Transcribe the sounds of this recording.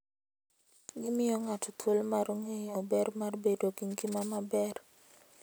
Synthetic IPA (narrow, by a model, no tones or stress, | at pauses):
ɡɪmɪjɔŋatɔt̪wolmaɾoŋeɲobɛrmarbedoɡiŋɡimamabɛr